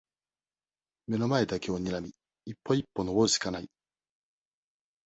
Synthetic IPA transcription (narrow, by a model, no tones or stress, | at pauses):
me̞no̞mae̞d̪ake̞o̞ɲ̟iɾamʲiː | pːo̞ipːo̞noboɕi̥kanai